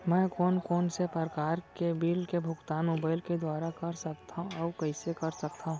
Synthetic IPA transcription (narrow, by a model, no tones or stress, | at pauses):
mɛ̃ːkɔːnkɔːnsepəɾkaːɾkebiːlkebʱʊɡt̪aːnmoːbaːɪlked̪waːɾakɐɾsɐkt̪ʰãɔːkɛːsekɐɾsɐkt̪aũ